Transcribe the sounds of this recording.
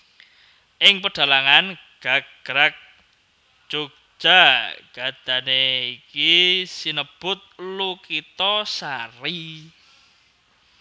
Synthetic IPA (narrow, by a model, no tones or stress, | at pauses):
ʔɪŋpəɖ̥a̤laŋan | ɡ̥a̤ɡ̥ɾak̚ | d͡ʒ̥oɡ̥̚ | ʒ̥a̤ɡ̥a̤d̪̥ä̤neikisinəb̥ʊt̪̚lukit̪ɔsari